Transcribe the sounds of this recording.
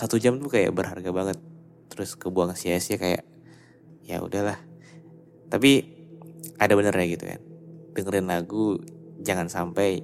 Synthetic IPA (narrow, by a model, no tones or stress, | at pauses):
sat̪ud͡ʒamt̪ukaja̰ʔbərɦa̰rɡabaŋət̪ː | ɾʊskəbuaŋsiasiakaja̰ʔ | ja̰ṵdahlah | t̪api | ʔadabənərɲaɡit̪ṵka̰ndəŋəɾɪnlaɡud͡ʒaŋansampaj